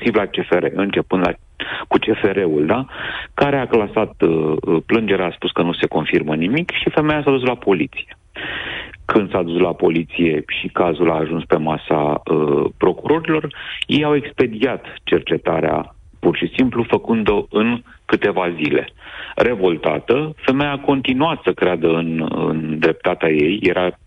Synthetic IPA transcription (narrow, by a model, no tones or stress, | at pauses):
sivlat͡ʃe̞fe̞ɾḛʔɨnt͡ʃe̞pɨnd̪la | kut͡ʃe̞fe̞ɾe̞uld̪akaɾe̞aklasat̪plɨnd͡ʒe̞ɾaspuskənuse̞ko̞nfirmənimikʃife̞me̞jasad̪us̬lapo̞lit̪si̥je̞ | kɨnd̪saːd̪uslapo̞lit̪sije̞ʃikazulaːʒunspe̞masa̰əpɾo̞kuɾo̞ɾilo̞rjejawe̞kspe̞d̪iat̪t͡ʃe̞rt͡ʃe̞t̪aɾea̰ | purʃisimplufəkɨnd̪o̞ɨnŋ | kɨt̪e̞vazile̞̰re̞vo̞lt̪a̰t̪əfe̞mejako̞nt̪inuat̪səkɾead̪əɨnɨ̰nd̪ɾe̞p̚t̪at̪eaje̞jːe̞ɾʔa